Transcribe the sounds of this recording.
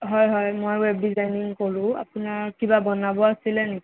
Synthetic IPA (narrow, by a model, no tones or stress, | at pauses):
ɦɔjɦɔjmojwɛb̚dizajniŋkoɹʊ̃a̰pʊnaɹkibabɔnabɔasilɛneki